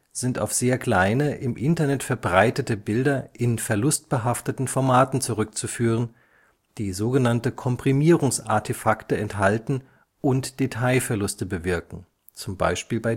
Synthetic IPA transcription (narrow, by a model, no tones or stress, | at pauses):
z̥ɪnta̰ʊfz̥eːɐkl̥aɪnəʔɪmʔɪntɐnɛtfɛɐbʁaɪtətəbɪldɐʔɪnfɛɐlʊst̚b̥əɦaftətn̩fɔɐmaːtn̩t͡suʁʏk̚t͡sufyːʁ̞ən | d̥iːzoːɡənantəkʰɔmpʁ̥imiːʁʊŋsʔa̰ɐtʰefaktəɛntɦaltn̩ | ʔʊntd̥etʰaɪfɛɐlʊstəbəvɪɐkŋ̩ | t͡sʊmba̰ɪʃpiːlbaɪ